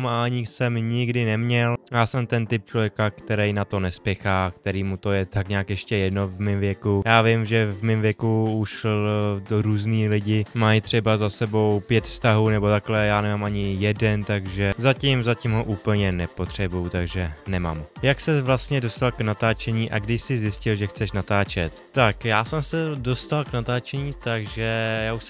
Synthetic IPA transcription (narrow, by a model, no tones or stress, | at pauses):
maaɲɪsɛmɲɪɡdɪnɛmɲɛljaːsɛmt̪ɛnt̪ɪp̚t͡ʃlo̞vjɛkakt̪ɛɾɛjnat̪o̞nɛspjɛxaːk̚t̪ɛɾiːmut̪o̞jɛt̪akɲaːkjɛʃcɛjɛdno̞vmɪmvjɛkujaːvɪmʒɛvmɪmvjɛkuuʃdoɾuːzniːlɪɟɪmajt̪r̝̥ɛbazasɛbo̞wpjɛt̪fst̪aɦuːnɛbot̪aklɛjaːnɛmaːmʔaɲɪjɛdɛnt̪aɡʒɛzacɪmzacɪmɦoʔuːpl̩ɲɛnɛpo̞t̪r̥ɛbujut̪aɡʒɛnɛma̰ːmjaksɛvlast̪ɲɛdo̞st̪alknat̪aːt͡ʃɛɲiːʔa̰ɡdɪʃsɪzjɪscɪlʒɛxt͡sɛʃnat̪aːt͡ʃɛt̪ːakjaːsɛmsɛdo̞st̪alknat̪aːt͡ʃɛɲiːt̪aɡʒɛjaːuʃsɛ